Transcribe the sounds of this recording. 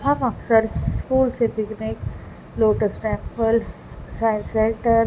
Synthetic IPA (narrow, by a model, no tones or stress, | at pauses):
ɦãkãksəɾskuːlseb̪ɪknek | loːʈəɾsʈɛ̃ːmpəlɖ | sajɪ̃nselʈəɾ